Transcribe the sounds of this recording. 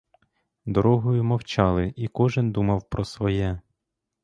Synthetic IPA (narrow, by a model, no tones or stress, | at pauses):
d̪ɔɾɔɦɔjʊmɔwt͡ʃɑlˠɪʔikɔʒɪnd̪umɐwpɾɔsʋɔjɛ